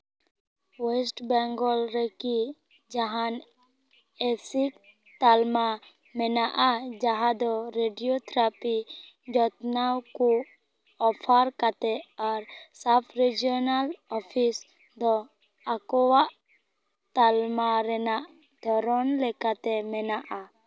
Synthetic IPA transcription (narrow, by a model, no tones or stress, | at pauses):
wɛsʈbɛŋɡɔlɾɛki | d͡ʒaɦan | esik̚ | t̪alma | mɛnaʔad͡ʒaɦãd̪ɔɾeɖiot̪ʰɾapi | d͡ʒɔt̪nawku | ɔpʰaɾkat̪ɛaɾsapʰɾid͡ʒiɔnalɔpʰis | d̪ɔ | akɔwaʔ | t̪almaɾɛnaʔ | d̪ʱɔɾɔnlɛkat̪ɛmɛnaʔa